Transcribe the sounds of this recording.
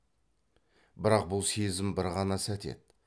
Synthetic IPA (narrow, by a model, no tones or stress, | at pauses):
bɪɾɑq̚bʊlˠsezɪmbɪɾʁɑnɑsæt̪e̞̰d̪